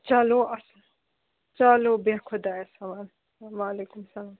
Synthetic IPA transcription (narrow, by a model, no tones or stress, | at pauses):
t͡ʃaloʔɐsl | t͡ʃalobexʰod̪aːesɐʋaːn | ʋaːleːkumsɐlaːm